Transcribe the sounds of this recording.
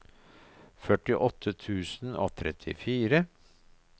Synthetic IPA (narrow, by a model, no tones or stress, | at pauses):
fœʈɪʔɔt̪ʰːət̪ʰʉːsno̰ːt̪ʰɾɛt̪ʰɪ̰fiːɾə